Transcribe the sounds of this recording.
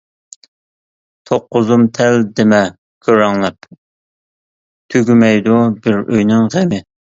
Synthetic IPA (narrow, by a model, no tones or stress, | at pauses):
t̪ʰoqːʊzumt̪ʰɛld̪emɛ | kʲʰøɾɑŋlˠɛp | t̪ʰøɡʲymɛjd̪ubɪɾø̰jnɪŋʁemɪ